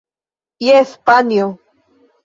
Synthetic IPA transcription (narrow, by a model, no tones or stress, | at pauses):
jespanjo